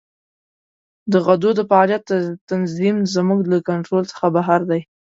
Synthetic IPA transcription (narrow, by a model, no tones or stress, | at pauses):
d̪əɣad̪od̪əfaɑlijat̪̚ːət̪anzimzmuɡlakaɳʈɾolt͡sə̥xabaɦaɾd̪aj